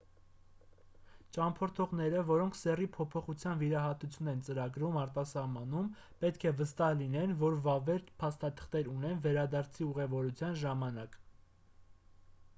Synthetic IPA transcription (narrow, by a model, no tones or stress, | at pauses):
t͡ʃɑmpʰɔɾt̪ʰɔʁn̪ɛɾəvɔɾɔŋkʰsɛripʰɔpʰɔχut͡sʰjɑnviɾɑɦɑt̪ut͡sʰjunɛnt͡səɾɑɡɾumɑɾt̪ɑsɑhmɑnum | pɛt̪kʰɛvəst̪ɑhlin̪ɛnvɔɾvɑvɛɾt̪pʰɑst̪ɑt̪ʰə̥χt̪ɛɾun̪ɛnvɛɾɑd̪ɑɾt͡sʰiuʁɛvɔɾut͡sʰjɑnʒɑmɑnɑk